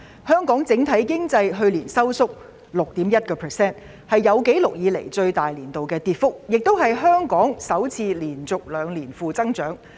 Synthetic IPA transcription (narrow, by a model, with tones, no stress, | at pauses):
hœː˥ŋkɔː˨˥ŋt͡sɪ˨˥ŋt̪ʰɐ˨˥jkɪ˥ŋt͡sɐ˧jɦɵ˧ɥliː˨˩nsɐ˥wsʊ˥k̚ | lʊ˨k̚t̪iː˨˥mjɐ˥t̚kɔː˧pʰɛ˨˩sɛː˥n | hɐ˨jːɐ˨˧wke˨˥jlʊ˨k̚jiː˨˧lḛ˨˩jt͡ʃɵ˧ɥt̪aː˨jliː˨˩nt̪o˨wkɛː˧t̪iː˨t̚fʊ˥k̚jɪ˨k̚t̪o˥whɐ˨jɦœː˥ŋkɔː˨˥ŋsɐ˨˥wt͡sʰiː˧liː˨˩nt͡sʊ˨k̚lœː˨˧ŋliː˨˩nfuː˨t͡sɐ˥ŋt͡ʃœː˨˥ŋ